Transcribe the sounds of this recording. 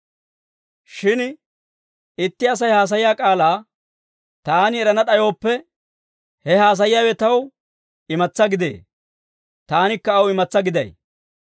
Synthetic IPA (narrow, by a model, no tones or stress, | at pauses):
ʃɪn | ɪt̪ːɪɐs̬ɐjhaːs̬ɐjɪjaːkʼaːlaː | t̪aːnɪɛɾɐnɐɗɐjo̞ːpːɛ | hɛɦaːs̬ɐjɪjaːwɛt̪ɐw | ɪmɐt͡sːɐɡɪd̪ḛː | t̪aːnɪkːɐːwɪmɐt͡sːɐɡɪd̪ɐ̰j